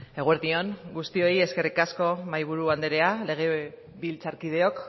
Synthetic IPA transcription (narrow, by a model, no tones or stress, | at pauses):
e̞ɣ̞ueɾðio̞ŋɡust̪io̞ie̞ske̞rikasko̞majβ̞uɾuand̪eɾe̞ale̞ɣ̞e̞ | βilt͡saɾkið̞e̞o̞k